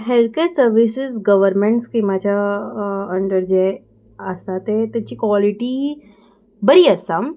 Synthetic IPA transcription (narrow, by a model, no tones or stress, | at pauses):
ɦelkeɾsəɾʋisɪsɡəʋəɾmeɳʈskimad͡ʑʱja | əɳɖəɾd͡ʑej | əsat̪et̪jat͡ɕiːkʋɔliʈi | bəɾiːəsam